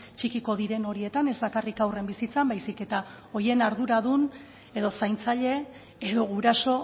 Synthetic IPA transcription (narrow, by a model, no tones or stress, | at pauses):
t͡ʃikiko̞ðiɾe̞no̞ɾie̞t̪ane̞zbakarikawre̞mbisit͡sambajsike̞t̪a | o̞je̞naɾðuɾaðun | eðo̞sajnt͡saʎe̞ː | ðo̞ɣuɾaso̞